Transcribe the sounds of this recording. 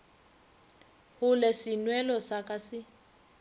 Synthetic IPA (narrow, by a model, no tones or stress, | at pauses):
hʊlɛsinwɛlɔsakʼasɪ